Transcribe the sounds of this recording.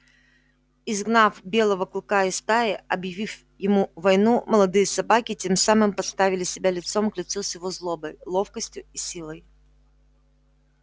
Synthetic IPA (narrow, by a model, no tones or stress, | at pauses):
ɪzɡnafbʲe̞lˠəvəklˠkaɪst̪aɪɐbjɪvʲif | jɪmuvɐjnuməlˠɐd̪ɨjəsɐbakʲɪtʲe̞msamɨmpɐt̪st̪avʲɪlʲɪsʲɪbʲalʲɪt̪so̞mklʲɪt̪susjʲɪvozlˠobəjlˠo̞fkəsʲtʲjʊisʲilˠəj